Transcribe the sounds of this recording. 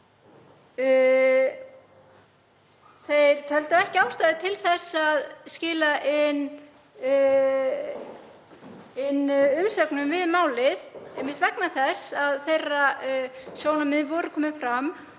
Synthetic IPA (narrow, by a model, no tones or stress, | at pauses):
θejɾ̥t̪ʰœlt̪aɛhcɪawst̪aːðɪt̪ʰɪlθɛsːaðscɪːlaʔɪn | ɪnʏmsœknʏmvɪðmaːwlɪðɛjmːɪht̪vɛknaθɛsːaðθejra | sjoːwnamɪðvɔːɾʏkʰɔːmɪfɾam